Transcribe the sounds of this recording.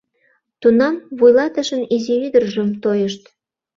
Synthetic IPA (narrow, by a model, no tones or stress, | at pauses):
t̪unɑmβujlɑt̪ə̆ʃə̆niziβid̪ərʒəmt̪ojə̆ʃt̪